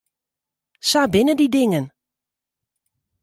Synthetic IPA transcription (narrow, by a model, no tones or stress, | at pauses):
sabɪnədidɪŋən